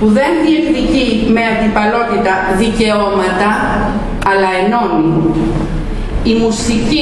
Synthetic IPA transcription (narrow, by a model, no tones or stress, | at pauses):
puðe̞nðiekt̪icime̞ɐnd̪ipɐlo̞t̪it̪ɐðice̞o̞mɐt̪ɐ | ɐlɐeno̞mi | imusici